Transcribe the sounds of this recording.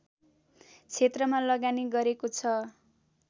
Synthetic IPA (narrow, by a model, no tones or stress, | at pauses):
t͡sʰet̪rʌmalʌɡaniɡʌɾekot͡sʰʌ